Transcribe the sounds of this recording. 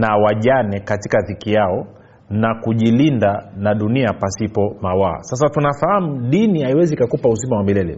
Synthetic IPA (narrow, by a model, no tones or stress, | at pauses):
nawaʄanɛkatikaðikijaɔ | nakuʄilindanaɗuniapasipɔmawa̰ːsas̬atunafahamuɗinihaiwɛzikakupaus̬imawamilɛlɛ̰